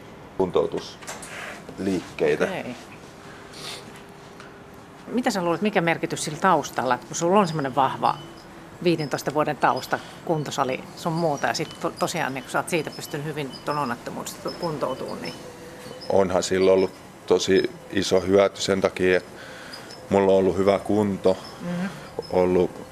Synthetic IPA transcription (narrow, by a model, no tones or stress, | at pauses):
unt̪out̪us | liːkːeit̪æei | mit̪æsæluːlet̪mikæmerkit̪yssilt̪ɑust̪ɑlːɑet̪kusulːonsemːoneʋʋɑhʋɑ̰ | ʋiːdent̪oˑist̪ɑʋuodent̪ɑust̪ɑ | kunt̪osɑlḭsommuːt̪ɑjɑ̰sit̪tot̪osiɑ̰ːnniːŋku̥sɑːt̪siːt̪æpyst̪ynhyʋint̪ononːɑt̪ːomṵst̪kunt̪out̪ṵːnnḭ | o̰nhɑsilːolːut | t̪osi | isohyæt̪ysent̪ɑkiːet̪ | mulːoolːuhyʋækunt̪o | olːu